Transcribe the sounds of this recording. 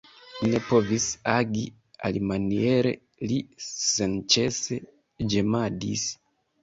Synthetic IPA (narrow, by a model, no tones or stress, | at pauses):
ine̞po̞visaɡi | a̰limanie̞ɾḛ | lisent͡ʃe̞se | d͡ʒemadis